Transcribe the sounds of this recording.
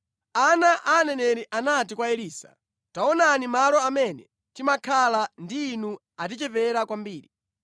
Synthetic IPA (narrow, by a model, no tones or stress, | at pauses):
anaʔaːnɛnɛɾiʔanatikwaɛliːsḁ̰ | taɔnanimalɔamɛnɛ | timakʰalandiːnu | at̬it͡ʃɛpɛɾakwambiːɾi